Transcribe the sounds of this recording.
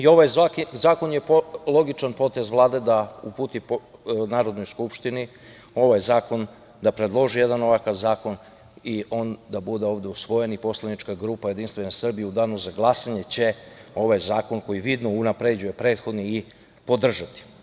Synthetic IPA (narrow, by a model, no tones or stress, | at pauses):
io̞ʋajzakizaːko̞nje̞plˠo̞ɡit͡ʃanpo̞t̪e̞zʋlˠaːd̪e̞d̪aupuːt̪ipnaːɾo̞d̪nojskupʃt̪ini | o̞ʋajzaːko̞n | d̪apɾe̞d̪lˠo̞ʒijed̪ano̞ʋakaʋzaːko̞n | iʔo̞nd̪abud̪eo̞ːʋd̪e̞usʋo̞jenipo̞slˠanit͡ʃkaɡɾuːpaje̞d̪inst̪vʋe̞nasr̩bijeud̪aːnuzaɡlˠasaɲe̞t͡ɕe̞o̞ʋajzaːko̞nko̞jiʋid̪nounapɾed͡ʑuje̞pɾe̞ːt̪xo̞d̪niː | po̞d̪r̩ʒat̪i̥